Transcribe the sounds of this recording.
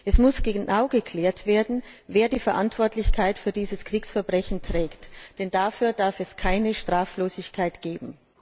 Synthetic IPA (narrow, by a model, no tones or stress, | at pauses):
ʔɛsmʊsɡ̥ənaʊɡəkʰl̥eːɐtv̥eːɐdn̩veːɐdiːfɛɐʔantv̥ɔɐtlɪçkʰaɪtfyːɐdiːzəskʁ̥iːksfɛɐbʁɛçn̩tʁ̥ɛːktd̥ɛndafyːɐd̥aɐfɛskʰaɪnəʃtʁ̥aːfloːzɪçkʰaɪtɡ̥eːbm̩